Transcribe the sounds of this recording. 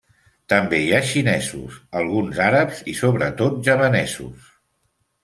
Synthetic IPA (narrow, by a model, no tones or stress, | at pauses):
t̪əmbejaʃinɛzṵsəlˠɣunzaɾəpz̥isoβɾət̪ot̪̚ʒəβənɛzṵs